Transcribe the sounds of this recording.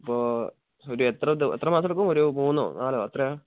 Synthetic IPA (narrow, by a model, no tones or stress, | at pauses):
ipːoː | oɾuet̪rɐd̪et̪rɐmaːsɐɭk̬ːumoɾumuːnːo̰naːlo̰ɐt̪rɐ